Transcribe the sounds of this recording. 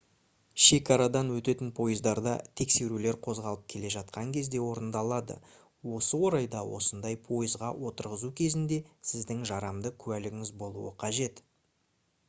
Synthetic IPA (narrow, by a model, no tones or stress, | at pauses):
ʃe̞kɑɾɑd̪ɑnwɵt̪e̞t̪ɪnpʰo̞jəzd̪ɑɾd̪ɑ̰t̪ʰe̞kse̞ɾule̞ɾqʰo̞zʁɑlˠəp̚kʲʰe̞le̞ʒɑt̪̚qɑŋkʲʰe̞zd̪e̞wo̞ɾənd̪ɑlˠɑd̪ə̰ | wo̞səwo̞ɾɑjd̪ɑwo̞̰sənd̪ɑjpʰo̞jəzʁɑwʔo̞t̪əɾʁəzukʲʰe̞zɪnd̪e̞sɪzd̪ɪŋʒɑɾɑmd̪əkʲʰʉælɪɡʲɪŋɪzbo̞lˠuəqʰɑʒe̞t̪